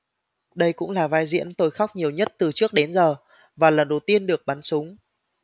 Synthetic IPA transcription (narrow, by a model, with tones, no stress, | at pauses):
ɗə˧jkʊ̰˧˥ŋ͡mlaː˨˩vaː˧jzḭ˧˥ənt̪o˧jxa˦˥wk͡p̚ɲi˨˩əwɲə˦˥t̚t̪ɨ˨˩t͡ɕɨ˦˥ək̚ɗe˨˦nzəː˨˩ | vaː˨˩lə˨˩nɗə˨˩wt̪i˧ənɗɨ˨˩ək̚ɓaː˨˦nsʊ˨˦ŋ͡m